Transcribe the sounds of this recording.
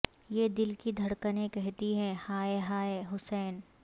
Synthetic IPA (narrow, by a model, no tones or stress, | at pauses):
jed̪ɪlkid̪ʱɐɽkənẽkɛɦt̪iɦɛ̃haːeɦaːeɦʊsɛːn